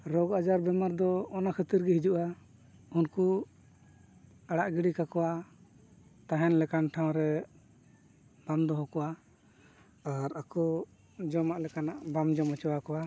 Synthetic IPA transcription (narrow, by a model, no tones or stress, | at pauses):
ɾɔɡad͡ʒaɾbɛmaɾd̪ɔːnakʰət̪iɾɡɛɦid͡ʒuʔa | unku | aɽaʔɡiɽikakɔwa | t̪aɦɛnlɛkanʈʰãw̃ɾɛ | b̥amd̪ɔɦɔkɔwa | aɾakɔ | d͡ʒɔmaʔlɛkanaʔbamd͡ʒɔmɔt͡ʃɔwakɔwa